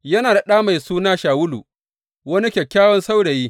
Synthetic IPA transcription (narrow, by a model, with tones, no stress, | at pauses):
jɐ˦naː˨da˨ɗaː˦ma˨jsuː˦naː˦ʃaː˨wʊ˦lṵ˨ | wɐ˦ni˦kʲɛ˨kʲːaː˦wɔ˦nsa˦wɽe˨jiː˦